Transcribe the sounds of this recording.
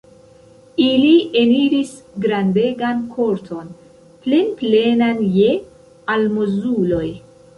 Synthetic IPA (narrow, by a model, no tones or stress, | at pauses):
iliʔe̞niɾisɡɾande̞ɡankʰo̞ɾtʰo̞n | plenple̞nanje̞ | almozulo̞j